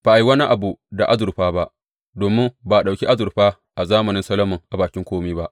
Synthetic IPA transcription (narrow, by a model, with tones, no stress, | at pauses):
b̥a˨ʔa˨ji˦wɐ˦ni˦ʔa˨bu˨da˨ʔa̰˦zʊ˨ɾɸaː˦ba˦ʔ | doː˨mɪ˦ba˨ɗa˨kʲi˦ʔa˦zʊ˨ɾɸaː˦ | ʔa˨zaː˦mɐ˨nɪ˦nsɐ˦lɐ˦mʊ˨ŋʔa˨baː˨kʲɪ˦ŋkʷoː˦miː˦ba˦ʔ